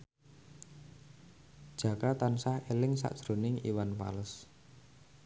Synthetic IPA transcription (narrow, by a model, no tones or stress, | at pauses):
d̥ʒ̥ä̤kat̪ansahelɪŋsa̰ʔd̥ʒ̥ɾo̤nɪŋḭwanfa̰ləs